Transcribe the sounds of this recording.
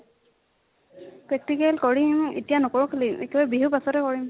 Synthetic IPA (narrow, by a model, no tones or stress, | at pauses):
pɹɛk̚tikɛlkoɹimḛtijanɔkoɹukʰalimekɛbabiɦupasɔtɛkoɹim